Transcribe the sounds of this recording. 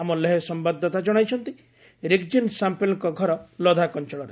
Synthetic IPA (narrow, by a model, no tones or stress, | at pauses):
amɔlːeɦesɔmbad̪ʱːɔt̪ad͡ʒɔɽ̃ajt͡ʃʰɔnt̪i | ɾekd͡ʒinsampelŋkɔɡʱɔɾɔlɔd̪ʱakɔnt͡ʃɔɭɔɾe